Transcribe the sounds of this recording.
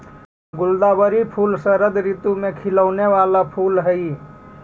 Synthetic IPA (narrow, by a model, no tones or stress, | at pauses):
ɡʊld̪aːbəɾipʰuːlsəɾəd̪ɾit̪umẽkʰɪləʊneʋaːlapʰuːlɦəi